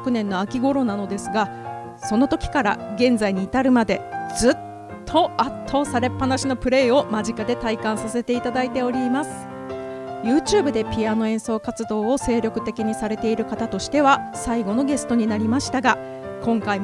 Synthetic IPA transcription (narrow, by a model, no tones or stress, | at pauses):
kɯ̟nẽ̞nːo̞akʲiɡo̞ɾo̞nano̞d̪e̞sɨɡa | so̞no̞t̪o̞kʲi̥kaɾa̰ɡẽ̞nzaiɲ̟iːt̪aɾɯ̟mad̪e̞d͡zz̥ɨt̪ʰː | o̞at̪ʰːo̞ːsaɾe̞pːanaɕino̞pɯ̟ɾe̞ːo̞maʑikad̪e̞t̪aikãɰ̃sase̞t̪e̞it̪ad̪ait̪e̞o̞ɾʲimasɨ̥ | jɯ̟ːt͡ɕɨːbɯ̟d̪e̞pʲiano̞ẽ̞ɰ̃so̞ːkat͡sɨd̪o̞ːose̞ːɾʲo̞kɯ̟̥t̪e̞kʲiɲ̟isaɾe̞t̪e̞iɾɯ̟kat̪at̪o̞ɕi̥t̪e̞βasaiɡo̞no̞ɡe̞sɨ̥t̪o̞ɲ̟inaɾʲimaɕi̥t̪aɡa | kõ̞ŋkaim